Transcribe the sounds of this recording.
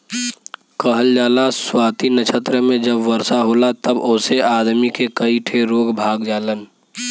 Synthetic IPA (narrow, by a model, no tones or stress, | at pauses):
kəɦəld͡ʒaːlaswaːt̪inət͡ʃʰət̪ɾəmẽd͡ʒəbʋəɾsaɦoːlat̪əboːseaːd̪mikekəiʈʰeɾoːɡbʱaːɡd͡ʒaːlən